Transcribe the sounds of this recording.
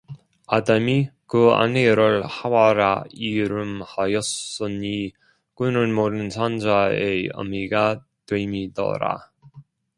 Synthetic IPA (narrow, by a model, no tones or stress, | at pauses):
adamikɯa̰neɾɯɭhawaɾa̰iɾɯmhajʌs͈ɯɲi | kunɯnmodɯnt͡ɕʰand͡ʑaeʌ̰miɡa | twemidʌ̰ɾa̰